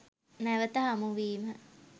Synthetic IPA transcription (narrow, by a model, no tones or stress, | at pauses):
nɛʋət̪əɦamuʋiːmə